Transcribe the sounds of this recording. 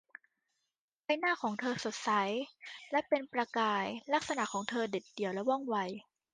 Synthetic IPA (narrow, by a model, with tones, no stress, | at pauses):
pa˧jnaː˥˩kʰɔː˩˦ŋt̪ʰɤː˧so˨˩t̪̚sa˩˦jlɛ˦˥pe˧npɾa˧kaː˧jla˦˥k̚sa˧na˨˩ʔkʰːɔː˩˦ŋt̪ʰɤː˧de˨˩t̪̚di˨˩əwlɛ˦˥wɔ˥˩ŋwa˧˩j